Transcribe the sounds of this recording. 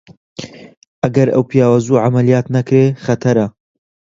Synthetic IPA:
ʔɐɡɐɾɐ̰wpʰijaːwazuːʕamɐlijaːt̪nɐkɾeχɐt̪ʰɐɾɐ

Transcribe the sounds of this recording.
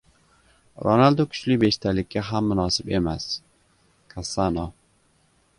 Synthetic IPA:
ɾo̰nald̪okʰʊ̥t͡ʃlɪbe̞ʃt̪ʰalɪkʲːaɦamːʊnɒsɪpe̞mas | kʰasːano

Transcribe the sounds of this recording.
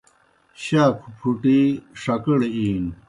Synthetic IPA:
ɕaːkʰupʰuʈiʂɐkəɽeiːn

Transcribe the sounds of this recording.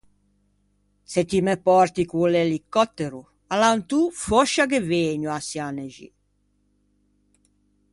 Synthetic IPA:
set̪imɛpɔɾt̪ikulɛlikːɔt̪ːeɾu | alant̪ufɔʃːakeveːɲuasjanɛʒḭ

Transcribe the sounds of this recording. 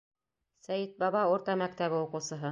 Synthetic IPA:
sæjɘt̪̚bɑβɑuɾt̪ɑmæk̚t̪æβɘuqɤ̆wsɤ̆ɦɤ

